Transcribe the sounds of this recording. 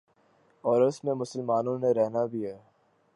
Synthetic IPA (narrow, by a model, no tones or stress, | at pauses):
ɔːɾʊsmẽmʊsəlmaːnõneɾɛɦnabʱiɦɛː